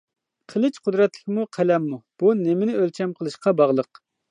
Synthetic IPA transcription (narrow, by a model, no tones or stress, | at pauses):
qʰəlˠɨt͡ʃqʰʊd̪ɾɛt̪lɪ̥kʲmuqʰɛlɛmːub̥unɪmɪnɪølt͡ʃʰɛmqʰəlˠɨʃqɑbɑʁlˠəq